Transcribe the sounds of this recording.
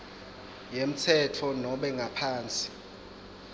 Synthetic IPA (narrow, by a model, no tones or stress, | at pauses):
jem̩tʰɛtʰɔnɔɓɛŋɡʱapʰaːnt͡sʼi̥